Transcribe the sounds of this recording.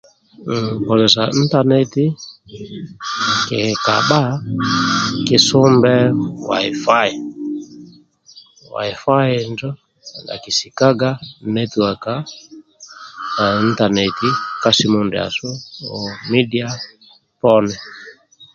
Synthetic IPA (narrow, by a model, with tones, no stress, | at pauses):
ŋ̩˨pɔ˨zɛ˨sa˨i˦n̩˦ta˦nɛ˨ti˦ | kɛ˨ka̰˨ɓa˦ | kɪ˦su˦mbɛ˦wa̰˨i˨fa˦i˨ | wa̰˨i˨fa˦i˨nd͡ʒɔ˦˨ | la̰˨ki˨si˨ka˦ɡa˦nɛ˦ti˨wa˨ka˦ | na˨i˦n̩˦ta˨nɛ˨ti˦ka˦si˦mu˨ndɛ˨a̰˨sɔ˦ɔ˨mi˦di˦a˦ | pɔ˦nɛ˨